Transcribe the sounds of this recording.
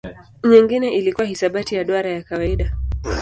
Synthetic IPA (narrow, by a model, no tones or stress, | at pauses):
ɲiŋɡinɛʔilikuwahisaɓatijaɗɔaɾajakawaiɗa